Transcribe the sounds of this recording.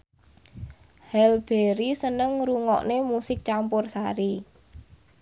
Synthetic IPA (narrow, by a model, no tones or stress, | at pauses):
hɛlb̥eɾisənəŋɾuŋɔ̰ʔnemusɪk̚t͡ʃampʊrsaɾi